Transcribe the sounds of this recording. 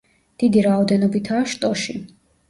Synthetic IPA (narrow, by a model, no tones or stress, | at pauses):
d̪̥id̪iɾaɔd̪ɛnɔbit̪ʰaːʃt̪ʼɔʃi